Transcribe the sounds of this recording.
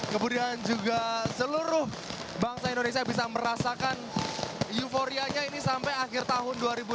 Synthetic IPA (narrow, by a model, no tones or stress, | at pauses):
kəmudiand͡ʒuɡasəluɾʊh | baŋsaindones̬iabis̬aməɾasakan | jufoɾiaɲainisampajaxɪrt̪aɦʊnduaɾibu